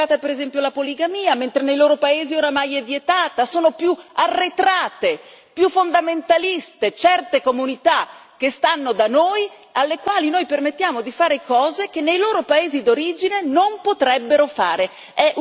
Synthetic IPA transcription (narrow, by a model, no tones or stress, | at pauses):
aːt̪apeɾezɛmpjolapoliɡamiːament̪ɾenejloːɾopaeːzioːɾamajɛvːjet̪aːt̪asoːnopjuarːet̪ɾaːt̪e | pjufːond̪ament̪alist̪et͡ʃɛrt̪ekomunit̪ak̟est̪anːod̪anoːj | alːekwaːlinojpermet̪ːjaːmod̪ifaːɾekɔːzek̟enːejloːɾopaeːzid̪oɾiːd͡ʒinenompot̪ɾɛbːeɾofa̰ːɾe | ɛ